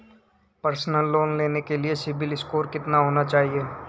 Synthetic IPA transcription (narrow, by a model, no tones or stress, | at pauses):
pɐɾsnəlːoːnleːnekeliesɪbɪlɪskoːɾkɪt̪naɦoːnat͡ʃaːɦieː